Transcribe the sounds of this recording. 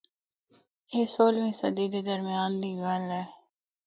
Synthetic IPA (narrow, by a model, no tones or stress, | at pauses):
eːsoːlʋĩːsəd̪iːdeːd̪əɾmɪjaːnd̪iːɡaːlae